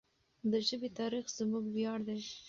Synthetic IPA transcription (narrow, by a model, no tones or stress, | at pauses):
d̪əʒəbet̪ɑɾixz̥əmuɡwjɑɽd̪a